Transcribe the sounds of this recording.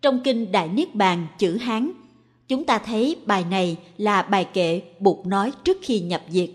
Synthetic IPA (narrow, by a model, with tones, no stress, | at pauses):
t͡ɕɔ˧wŋ͡mkï˧ŋ̟ɗa̰ː˧˨jnɨ˦˥ək̚ɓaː˨˩nt͡ɕɨ̰˧˩ɦaː˨˦n | t͡ɕʊ˨˦ŋ͡mt̪aː˧t̪ʰə˨˦jɓaː˨˩jna˨˩jlaː˨˩ɓaː˨˩jkḛ˧˨ɓu˨˩ək̚nɔ˨˦jt͡ɕɨ˦˥ək̚xi˧ɲə˨˩p̚zi˨˩ək̚